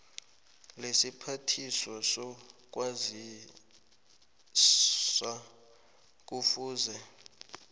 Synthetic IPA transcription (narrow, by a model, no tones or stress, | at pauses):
lesipʰatʰisɔsɔk̬ʼwazi | sa | k̬ʼufuːzɛ